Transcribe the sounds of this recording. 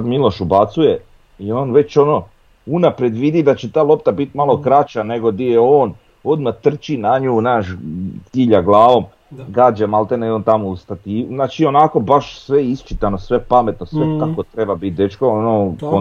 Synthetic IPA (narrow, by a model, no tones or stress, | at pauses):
ad̪milo̞ʃubat̪suje | io̞ːnʋe̞t͡ɕo̞no | unapɾe̞d̪ʋid̪id̪at͡ɕet̪aːlˠo̞pt̪abit̪malo̞kɾat͡ʃane̞ɡo̞d̪ijeoːn | o̞d̪mat̪r̩t͡ʃinaɲuːnaːʃk̪iʎaɡlˠaːʋo̞m | ɡaːd͡ʒemalt̪enioːnt̪amoust̪at̪inaːt͡ʃio̞nako̞baʃsʋe̞ist͡ʃit̪anosʋe̞pame̞t̪nosʋek̪akot̪ɾe̞babit̪̚d̪e̞t͡ʃkoonoko